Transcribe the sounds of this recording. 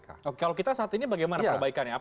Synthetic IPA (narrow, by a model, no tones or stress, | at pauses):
okekalokit̪asaat̪inibaɡajmanapəəbaikanjaː